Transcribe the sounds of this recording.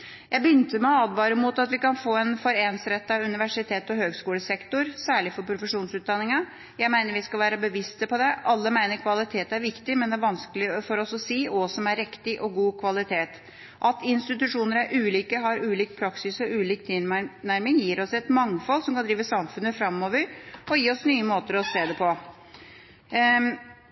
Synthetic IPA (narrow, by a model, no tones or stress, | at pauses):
jæɪbəjʏnt̪əmɛɔɑd̪ʋɑːɾəmut̪ɑt̪ʋɪkɑnfoːɛnfɔɾeːnsɾɛt̪ːɑʉnɪʋæʂɪt̪ʰeːt̪ɔɦøːɡskuːləsɛkt̪ʊɾsæːɭɪfɔɾpʰɾʊfəʂuːnsʉːt̪̚d̪ɑnːɪŋɑ | jæɪmæɪnəɾʋɪskɑlʋæːɾɑbəʋɪst̪əpɔd̪ɛʔɑlːəmæɪnəɾkʰʋɑlɪt̪ʰeːt̪æɾʋɪkt̪ɪmɛnd̪ɛæɾʋɑnsklɪfɔɾɔsɔsiːɔsɔmæɾɛkt̪ɪʔɔɡuːkʰʋɑlɪt̪ʰeːt̪ | ʔɑt̪ɪnst̪ɪt̪ʉʂuːnəɾæɾʔʉːliːkəɦɑɾʉːliːk̚pʰɾɑksɪsɔʉːliːk̚t̪ʰɪlnæɾmɪŋjiːɾɔsɛt̪mɑŋfɔlsɔmkɑnd̪ɾiːʋəsɑmfʉnːəfɾɑmːɔːʋəɾɔjiːɔsnyːəmoːt̪əɾɔseːd̪ɛpʰɔ